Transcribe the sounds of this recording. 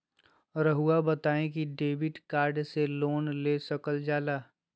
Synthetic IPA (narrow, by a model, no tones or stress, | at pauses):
ɾəɦuabɐt̪aːẽkiɖeːbɪʈkaːɾɖseloːnlesɐkəld͡ʒaːlaː